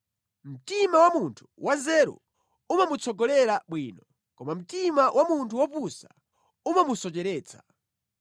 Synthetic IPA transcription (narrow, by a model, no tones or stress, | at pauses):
m̩timawamuntʰu̥wazɛɾɔ̰ | umamut͡sʰɔɡɔlɛɾaɓwiːnɔ | kɔmam̩timawʔamuntʰuwɔpusa | umamusɔt͡ʃɛɾɛːt͡sʰḁ